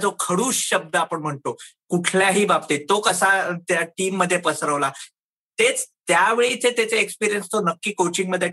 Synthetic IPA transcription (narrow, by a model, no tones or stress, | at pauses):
d͡zokʰəɽuːsɕəb̚d̪əapəɳm̤əɳt̪okuʈʰljaɦiːʋapt̪et̪okəsat̪jaʈiːmːəd̪ʱːjepəsəɾəʋla | t̪et͡st̪jaʋeɭit͡set̪et͡seekspiɾijənst̪onəkːiːkot͡ɕiŋɡməd̪ʱːje